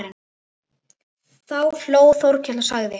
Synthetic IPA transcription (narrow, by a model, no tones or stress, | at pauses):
ɾɪn | θawfloːwθowɾ̥cʰɛlasaɣðɪ